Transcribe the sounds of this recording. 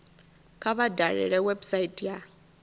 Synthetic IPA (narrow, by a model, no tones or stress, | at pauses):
kʰaβadʱaɺɛ̰ɺɛwɛbsaitʼja